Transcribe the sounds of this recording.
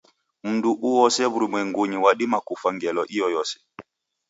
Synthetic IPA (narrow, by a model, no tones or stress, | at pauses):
m̩nduʔuwɔsɛβuɾimwɛŋɡoɲiwaɗimakufaŋɡɛlɔʔijɔjɔsɛ̥